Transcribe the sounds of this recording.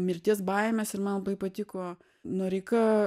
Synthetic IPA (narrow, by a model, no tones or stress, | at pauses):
mʲɪɾʲt̪ʲiɛsbɐɪmʲɛsɪrmɐnlˠɐbɐɪpɐt̪ʲɪkoː | noɾʲɛɪkɐ